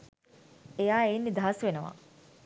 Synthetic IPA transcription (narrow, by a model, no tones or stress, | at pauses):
ejaːeːnːid̪ɐɦɐsʋenəʋa̰